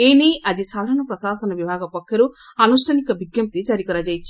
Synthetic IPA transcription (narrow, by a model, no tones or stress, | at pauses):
eːnejʔɐd͡ʒisaːd̪ʱɐɾɐɳ̃ɐpɾɐsaːsɐnɐʋibʱaːɡɐpɔkʰːjɐɾuɐnusʈʰɐnikɐbʱiɡjɐm̚t̪id͡ʒaːɾikɔɾad͡ʒɐjt͡ʃʰːi̥